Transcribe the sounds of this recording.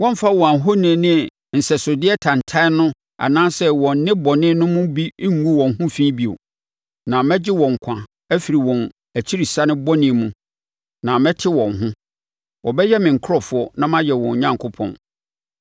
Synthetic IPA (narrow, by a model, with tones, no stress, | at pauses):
wɔ̃˦m˦fa˦wɔ̃˨a˨ɦo˦nĩ˨nɪ̃˦˨ | n̩˨sɛ˨sʊ˨dɪ˦ɛ˦tʰã˨n˨tʰa˦nʊ̃˦ | a̰˨nãː˦sɛ˦wɔ̃˨n̩˦nɪ̃˦bɔ˨nɪ̃˦nʊ̃˦mʊ̃˦bi˦ŋ̩ː˦u˦wɔ̃˨n˨hʊ̃˦fĩː˦bi˦˨o̰˨ | nã˨mɛ̃˦d͡ʑɪ˦wɔ̃˨ŋ̩˨kʷʰã˨ | æ˦fi˨ɾi˨wɔ̃˨n | æ˨t͡ɕʰi˦ɾi˨sa˦nɪ̃˦bɔ˦nɪ̃˨˦˨mũ˨ | nã˨mɛ̃˦tʰɪ˦wɔ̃˨nɦʊ̃˦ | wɔ˨bɛ˦jɛ˦mɪ̃˨ŋ̩˨kʰʊ˦ɾɔ˨fʊ˨˦ɔ˨nã˦mã˦jɛ˨wɔ̃˨ɲ˨ɲã˦ŋkʰʊ˦pʰɔ̰̃˨n